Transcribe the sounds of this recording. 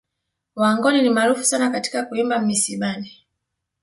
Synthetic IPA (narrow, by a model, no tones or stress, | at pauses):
waːŋɡɔninimaɾufu̥sanakati̥kakuimbam̩ːisiɓani